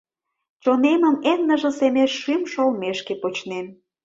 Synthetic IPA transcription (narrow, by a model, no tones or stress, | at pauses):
t͡ɕonemə̆nenːə̆ʒə̆semeʃːymʃolmeʃkepot͡ɕnem